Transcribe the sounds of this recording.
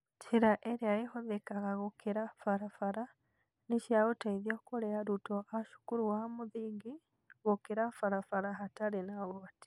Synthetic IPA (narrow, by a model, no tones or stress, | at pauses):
t͡ʃʰiɾaʔeɾjaehoðekaɣaɣokʰeɾafaɾafaɾa | niʃaɣotaiðjokoɾeaɾutoaʃu̥kuɾuwamuðiŋɡi | ɣokeɾafaɾafaɾaɦataɾenaɣoati̥